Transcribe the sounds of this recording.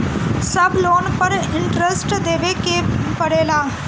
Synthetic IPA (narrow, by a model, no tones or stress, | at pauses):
sɐbloːnpɐɾɪ̃ɳʈɾesʈd̪eːʋekepɐɽeːlaː